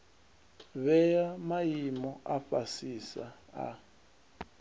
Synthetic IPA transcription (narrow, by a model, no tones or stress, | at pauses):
βɛjamajimɔʔaɸasisa̰a̰